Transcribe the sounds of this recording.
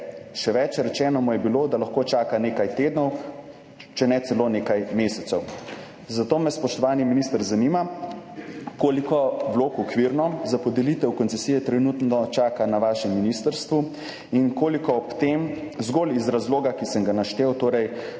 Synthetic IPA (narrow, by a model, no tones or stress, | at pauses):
ʃɛʋɛt͡ʃɾɛt͡ʃɛːnɔmujɛbiloːd̪alaxkoːt͡ʃaːkaneːkajt̪eːd̪nɔw | t͡ʃɛnɛt̪sɛloːneːkajmeːsɛt̪sɛw | zat̪oːmɛspɔʃt̪ɔʋaːniminist̪əɾzanima | koːlikɔʋloːkɔkʋiɾnɔzapɔd̪ɛlit̪ɛwkɔnsɛsijɛt̪ɾɛnut̪nɔt͡ʃaːkanaʋaːʃɛmːinist̪əɾst̪ʋu | inkoːlikɔɔpt̪em | zɡoːlizɾazloːɡakisəŋɡanaʃt̪ewt̪oːɾɛj